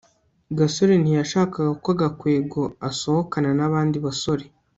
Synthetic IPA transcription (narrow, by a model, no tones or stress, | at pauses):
ɡaso̞ɾen̥ijaʃaːkaɡakwaɡakwe̞ːɡoaso̞hokananaβaːndiβaso̞ɾe